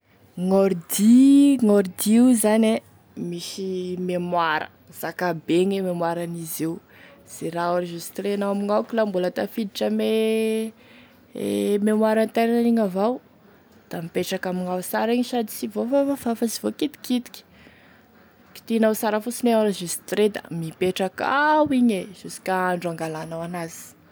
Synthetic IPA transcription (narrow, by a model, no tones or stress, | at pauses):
ŋoɾd̪iŋoɾd̪izane | miʃimemwaɾə̰ | z̥akabeŋememwaɾanizew | z̥eraoɾaʒust̪ɾenawamiŋawkʲilambulət̪afid̪iʈ͡ʂəme | memwaɾant̪eɾnaniŋavaw | d̪̥amipeʈ͡ʂakamiŋawsaɾiɲʃad̪i̥sivofafavafasivokit̪i̥kit̪i̥kʲi̥ | ki̥t̪inawsaɾəfusineɾaʒisi̥t̪ɾed̪a̰mipeʈ͡ʂakawiɲez̥usi̥kaaɳɖ͡ʐuaŋɡalanawanazi̥